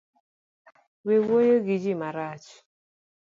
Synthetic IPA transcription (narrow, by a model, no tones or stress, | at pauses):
wewojoɡid͡ʒimaɾat͡ʃ